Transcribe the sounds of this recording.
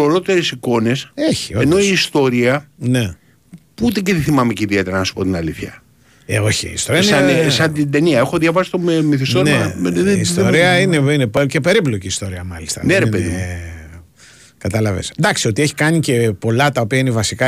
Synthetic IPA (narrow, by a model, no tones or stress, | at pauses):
oɾo̞t̪e̞ɾesiko̞ne̞seçi̥oenoiːst̪o̞ɾiɐne̞ | put̪eceθiθimɐmeceiðiet̪eɾɐnɐsu̥pot̪inɐliθçɐ | o̞çiːst̪oɾiɐɐnesɐnt̪id̪e̞niɐexoðʝɐvɐsist̪ommiθist̪oneðist̪o̞ɾiɐineinepce̞pe̞ɾiplo̞ciːst̪o̞ɾiɐmɐlist̪ɐ̰neɾepeðḭ | kɐt̪ɐlɐvḛsd̪ɐksio̞t̪ieçi̥kɐnice̞po̞lɐt̪ɐopiɐinevɐsikɐ